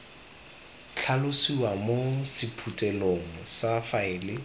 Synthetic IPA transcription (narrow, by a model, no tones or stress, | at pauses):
t͡ɬʰalʊsiwamosɪpʰutʼɛloŋ̩safaɪːlɪ